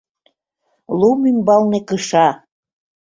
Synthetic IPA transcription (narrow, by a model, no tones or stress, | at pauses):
lumymbɑlnekəʃɑ